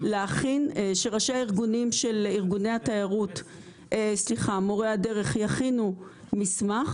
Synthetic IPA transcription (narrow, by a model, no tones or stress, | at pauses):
leaχinʃeʁaʃeaiʁɡunimʃeliʁɡunejhatajaʁut | sliχamoʁeade̞ʁe̞χjaχinu | mismaχ